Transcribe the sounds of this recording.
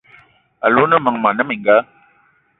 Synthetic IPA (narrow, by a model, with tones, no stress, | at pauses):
a̰˨lu˦nə˦mə˨ŋma˨nə˦mi˨ŋɡa˦